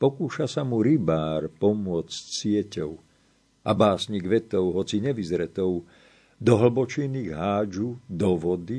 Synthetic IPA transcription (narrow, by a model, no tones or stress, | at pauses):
pɔkuːʃasamuɾibaːɾpɔmʊɔt͡scsɪɛcɔʊ | ʔabaːsɲiɡʋɛt̪ɔʊɦɔt͡siɲɛʋizɾɛt̪ɔʊ | d̪ɔɦl̩bɔt͡ʃiniɣɦaːd͡ʒud̪ɔʋɔd̪i